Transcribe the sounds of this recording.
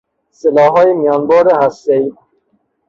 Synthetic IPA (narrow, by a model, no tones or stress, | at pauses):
selɒːɦɔːjemijɒːnbɔːɾehæst̪ei